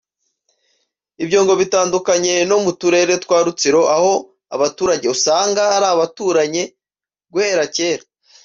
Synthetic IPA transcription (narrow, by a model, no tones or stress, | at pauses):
ibɟo̞ːŋɡo̞βitaːndukaɲe̞no̞mutuɾe̞ɾe̞twaːɾut͡siɾo̞ʔaho̞ | a̰βatuːɾaɟe̞usaːŋɡahaɾaːβatuːɾaɲe̞ | ɡweːɾace̞ːɾa